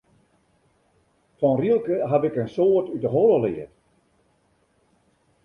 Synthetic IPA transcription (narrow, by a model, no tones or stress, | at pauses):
fɔnrilˠkəɦabɪkənsoːətydəɦoləlɪ̰ət